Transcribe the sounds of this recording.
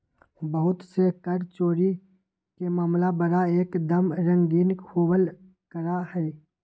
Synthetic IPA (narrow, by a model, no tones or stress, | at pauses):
bəɦʊt̪sekɐɾt͡ʃoːɾi | kemaːmlabɐɽaeːkd̪ɐmɾə̃ŋɡiːnkʰoːwəl | kəɾahɛː